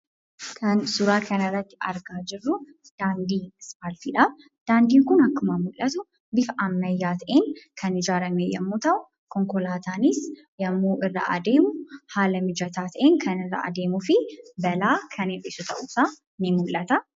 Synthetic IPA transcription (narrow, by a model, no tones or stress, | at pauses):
kʰɐnsʊɾaːkʰɐnɐrːɐt̪ːɪ̥ɐ̰ɾɡaːd͡ʒɪrːu | d̪̥aːnd̪ispaːlfiᶑɐ | d̪̥aːnd̪iːŋkʊnɐkːʊmamʊlʔɐt̪ʊ | bɪfʔɐmːɐjːaːt̪ʔenkʰɐnɪd͡ʒaːɾɐmeːjɛ̰mːut̪ɐw | kʰɔŋkɔlaːt̪ʰaːnis | jɛmːuːʔɪrːa̰ʔɐ̰d̪eːmʊhaːlɐmɪd͡ʒɐt̪ʰaːt̪ʔenkʰɐnɪrːa̰ʔɐ̰d̪eːmʊfɪbɐlaːkʰɐnetʼɪsʊt̪ʰɐ̰ʔʊsa | nɪmʊlʔɐt̪ɐ